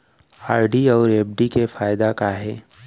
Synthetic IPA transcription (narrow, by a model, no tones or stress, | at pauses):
aːɾɖiɔːɾeːpɖikefaːjɪd̪akaɦɛː